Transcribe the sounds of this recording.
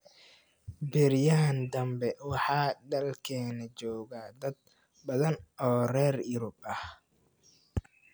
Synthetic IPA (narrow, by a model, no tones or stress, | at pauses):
bɪɾjaːnd̪ɐmbɛwɑħɑːɖɐlkʰɛːnɐt͡ʃɔːɣaːd̪ɐd̪̚ | bɐðɐnɔːrɛːrjɪɾʊb̚ɐh